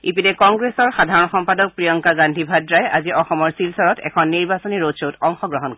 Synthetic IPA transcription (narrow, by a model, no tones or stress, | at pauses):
ipidɛkɔŋɡɹesɔɹxadʱaɹɔnxɔmpadɔk̚pɹijɔŋkaɡandʱibʱadɹajaziɔxɔmɔɹsilsaɹɔtɛ̰kʰɔnːiɹbasɔniɹosotɔŋxɔɡɹɔɦɔnkɔɛ